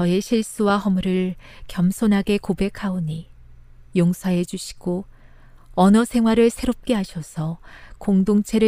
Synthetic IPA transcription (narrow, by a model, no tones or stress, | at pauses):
ʌe̞ɕʰiɭs͈uwaɦʌmuɾɯɭkjʌmsʰonɦaɡe̞kobe̞kʰaoɲi | joŋsʰʌɦe̞d͡ʑuɕʰi̥ɡ̥o | ʌnʌsʰe̞ŋɦwaɾɯɭsʰe̞ɾop̚k͈eɦaɕʰʌsʰʌkoŋdoŋt͡ɕʰe̞ɾɯ